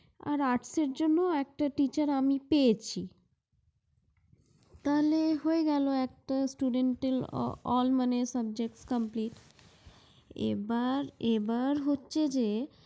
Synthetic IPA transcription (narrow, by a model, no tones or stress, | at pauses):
a̰ɾaʈseɾd͡ʑonːoɛk̚ʈaʈit͡ɕaɾamipejet͡ɕʰi | t̪aɦoleɦoeɡɛloɛk̚ʈasʈuɖeɳʈel̰ɔ̰lmanesabd͡ʑek̚ʈskəmpliʈ | ḛbaɾebaɾɦotːɕʰed͡ʑe